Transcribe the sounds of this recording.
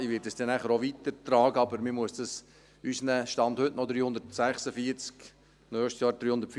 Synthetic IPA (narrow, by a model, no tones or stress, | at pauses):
iʋɪtdəsd̥ɛnæχəɾoʋit̪əɾt̪ɾɑːɡəɑbəɾmɪmuəsd̥ɑs | ysnɛʃtɑnd̥̪hɵtnɔd̪ɾiːhʊnd̪ətsæχsəfiəɾt͡sk | nœːʃtsjɑːɾd̥̪ɾiːhʊndəɾtf